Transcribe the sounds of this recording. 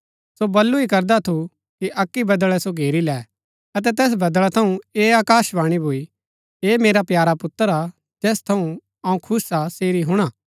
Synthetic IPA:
sobɐlːuikɐɾd̪at̪ʰu | kiʔɐkːibɐd̪əɭɛsoɡʱeːɾilɛː | ɐt̪̬ɛt̪ɛːs̬bɐd̪ɭat̪ʰɐũeːaːkaːʃʋaːɽ̃ibʱui | eːmeːɾapjaːɾapʊt̪ːəɾa | d͡ʒɛːst̪ʰɐũ | ɐũkʰʊsaseːɾiɦʊɽ̃aː

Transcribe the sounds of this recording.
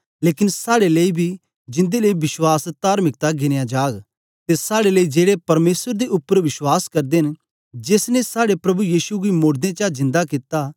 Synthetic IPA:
leːkɪnsaːɽeleːibʱi | d͡ʒɪ̃nd̪eleibɪʃwaːst̪aːɾmɪk̚t̪aɡɪnejãd͡ʒaːɡ | t̪esaːɽeleid͡ʒeːɽepɐɾmeːsəɾd̪eʔʊpːəɾʋɪʃwaːskɐɾd̪en | d͡ʒeːsnẽsaːɽepɾɐbujiːsuɡimoːɾd̪ẽt͡ʃazɪ̃nd̪akɪt̪a

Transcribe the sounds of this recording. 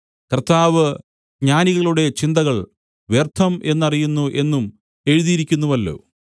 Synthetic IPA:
kɐrt̪aːʋɨ | ɡɲaːniɣɐɭuɽe̞t͡ɕind̪ɐɣɐɭ | ʋjert̪ʰːɐmʔe̞nːɐrijunːuʔe̞nːum | e̞ɻuðijiɾikʲːunːuʋɐlːo̞̰ː

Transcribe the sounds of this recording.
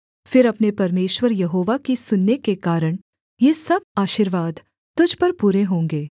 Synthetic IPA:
fɪɾɐpnepɐɾmeːʃwəɾjɐɦoːʋakisʊnːekekaːɾəɽ̃ | jeːsɐb̚aːʃiːɾʋaːd̪ | t̪ʊd͡ʒʱpɐɾpuːɾeɦõːŋɡeː

